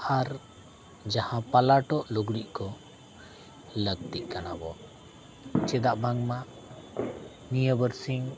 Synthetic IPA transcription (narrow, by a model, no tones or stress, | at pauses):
haɾ | d͡ʒahãpalaʈɔʔluɡɽiʔkɔ | ləɡ̚t̪iʔkanabɔ | t͡ʃɛd̪aʔbaŋma | nijəbəɾsiŋ